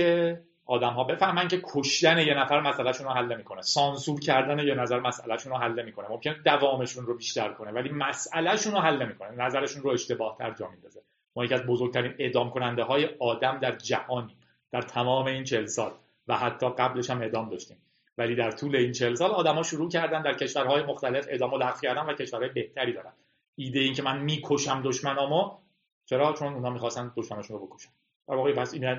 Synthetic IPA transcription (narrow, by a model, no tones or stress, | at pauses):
e | ʔɒːd̪æmɦɒːbe̞fæhmæncʰekʰoʃd̪æne̞jenæfæɾmæsælæʃuːnoɦælːe̞miːkʰo̞nesɒːnsuːɾcʰæɾd̪ænejenæzæɾmæsʔælæʃunoɦælːe̞miːkʰo̞nemo̞mcʰened̪ævɒːme̞ʃunrobiːʃt̪æɾkʰo̞nevæliːmæsælæʃunoɦælːe̞miːkʰo̞nenæzæɾe̞ʃuːnroe̞ʃt̪e̞bɒːht̪ʰæ̰ɾd͡ʒɒ̰ːmind̪ɒːze | mɒːjecʰiæzbozoɡ̚t̪ʰæɾiːne̞ʔd̪ɒːmkʰo̞nænd̪eɦɒːje̞ɒːd̪æmd̪æɾd͡ʒæhɒːniː | d̪̥æɾt̪ʰæmɒːme̞iːnt͡ʃʰe̞lsɒːl | væhæt̪ʰːɒːɢæble̞ʃæme̞ʔd̪ɒːmd̪ɒːʃt̪iːm | væliːd̪æɾt̪ʰuːle̞iːnt͡ʃʰe̞lsɒːlɒːd̪æmɒːʃuɾuːcʰæɾd̪ænd̪æɾcʰeʃvæɾɦɒːjemo̞xt̪æle̞fe̞ʔd̪ɒːmolæɣv̥cʰæɾd̪ænvæce̞ʃvæɾhɒːjebe̞ht̪ʰæɾid̪ɒːɾænd̪ | iːd̪ejeiːncʰe̞mænmiːkʰo̞ʃæmd̪o̞ʃmænɒːmo | t͡ʃʰe̞ɾɒːt͡ʃʰo̞nunhɒːmiːxɒːst̪ænd̪oʃmænɒːʃunɾobekʰo̥ʃæ̥n | d̪̥æɾvɒːɣepæsin